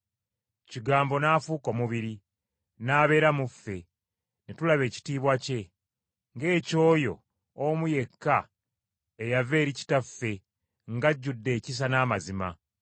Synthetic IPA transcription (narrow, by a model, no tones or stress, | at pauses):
ciɡaːmbo̞naːfuːko̞ːmuβiɾi | naːβe̞ːɾamufːe̞ | netulaβe̞ːci̥tiːβwace̞ | ŋɡe̞ːco̞ːjo̞̰ː | muje̞kːa | ejave̞ːɾici̥tafːe̞ | ŋɡaɟːudːe̞ːcis̬anaːmazima̰